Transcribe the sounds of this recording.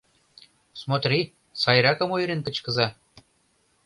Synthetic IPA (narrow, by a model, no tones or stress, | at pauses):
smot̪ri | sɑjɾɑkɤ̆mojɾenkə̆t͡ɕkə̆zɑ